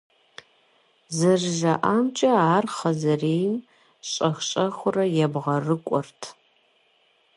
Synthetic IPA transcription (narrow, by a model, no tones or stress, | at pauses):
zɐrʒɐʔaːmt͡ʃʼɐaːrχɐzɐreːjn | ɕʼɐxɕʼɐxʷʊrɐjɛbʁɐrɨkʷʼʊrtʰ